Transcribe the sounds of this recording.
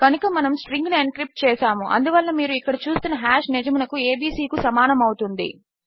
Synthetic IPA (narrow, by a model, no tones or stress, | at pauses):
kɐnukɐmɐnɐmsʈɾiŋɡnenkɾip̚ʈ̚t͡ʃɛːsaːmuʔɐ̰nd̪uʋɐlːɐmiːɾuikːɐɽit͡ʃuːst̪unːɐɦaːʃnid͡ʒɐmunɐkue̞ːbiːsiːkusɐmaːnɐmɐwut̪und̪ḭ